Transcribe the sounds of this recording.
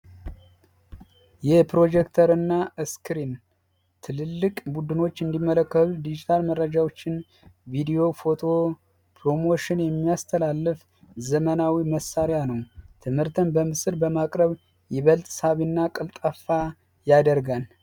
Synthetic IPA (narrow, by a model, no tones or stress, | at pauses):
jɛpɾo̞d͡ʒɛkt̪ʰəɾɨnːaɨskɾin | t̪ʰɨlɨlːɨkʼbud̪ɨno̞t͡ʃːɨnd̪imːələkːəlud̪id͡ʒit̪ʰalmərːəd͡ʒawo̞t͡ʃːɪn | vid̪ijo̞fo̞t̪ʰo̞ | pʰɾo̞moʃɪnjɛmːijast̪ʰəlalːɨf | zəmənawiməsaɾjanəwt̪ʰɨmhɨɾt̪ʰɨnbəmɨsɨɾbəmakʼɾəβ | jɛβəlt̪ʼsaβinːakʼɨlt̪ʼafa | jad̪əɾɡan